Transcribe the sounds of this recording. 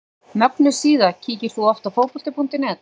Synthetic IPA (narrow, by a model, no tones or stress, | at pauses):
nœpnʏ̥siːðacʰiːcɪɾ̥θuɔft̪afoːwpɔlt̪ɪpunt̪ɪnɛt̪